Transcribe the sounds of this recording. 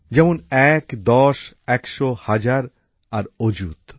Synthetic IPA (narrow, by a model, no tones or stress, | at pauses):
d͡ʑɛmonɛkd̪ɔʃ | ɛkʃohad͡ʑaɾ | aɾod͡ʑut̪